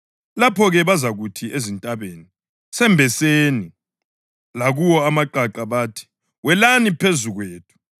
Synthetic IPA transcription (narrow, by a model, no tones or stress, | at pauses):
lapʰɔɣɛβazaɣutʰiʔezintʼaβeni | sɛmbʱɛseni | laɣuwɔamaǃaǃaβaːtʰi̥ | wɛlanipʰezuɣweːtʰu̥